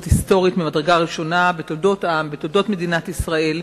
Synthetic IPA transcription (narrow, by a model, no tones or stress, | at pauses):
thist̪o̞ʁit̪mimadʁeɡaʁiʃo̞nabet̪oldo̞t̪ʔambet̪oldo̞t̪med̪inat̪isʁae̞l